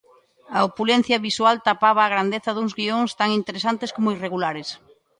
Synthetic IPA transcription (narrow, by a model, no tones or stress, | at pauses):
ɐopulɛn̟θjɐβiswalt̪apaβ̞aːɣɾand̪eθɐðuŋzɣioŋst̪aŋint̪eɾesant̪eskomoireɣulaɾes